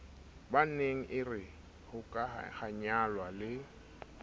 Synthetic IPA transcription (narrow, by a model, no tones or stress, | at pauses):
baneŋ̩ʔɪrɪ | hʊkʼahaɲalwalɪ